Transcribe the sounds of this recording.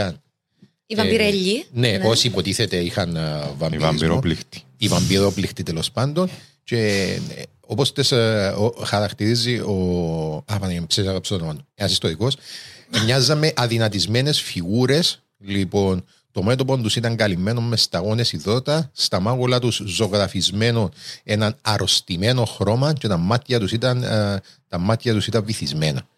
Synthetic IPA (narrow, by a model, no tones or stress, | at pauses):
ɐn | iɐiɾeʎːineosiːpot̪iθet̪eixɐnvɐmimiɾoplit̪ivɐmbiɾoplixt̪it̪elospɐnd̪o̞n | ce̞ | o̞post̪esoxɐɾɐkt̪iɾizio̞ɐvɐnempsesɐɣɐpst̪onoɐnoenɐsist̪oɾiko̞smɲɐzːɐme̞ʔɐðinɐt̪izme̞ne̞sfiɣuɾe̞s | lipo̞n | t̪o̞me̞t̪opond̪usit̪ɐŋɡɐlime̞nommest̪ɐɣo̞ne̞siðo̞t̪ɐst̪ɐmɐɣolɐt̪uszo̞ɣɾɐfizme̞none̞nɐnɐɾo̞st̪ime̞no̞xɾo̞mɐt͡ʃe̞t̪ɐmɐt̪çɐt̪usit̪ɐnt̪ɐmɐt̪çɐt̪usit̪ɐɱvːiθizme̞nɐ̰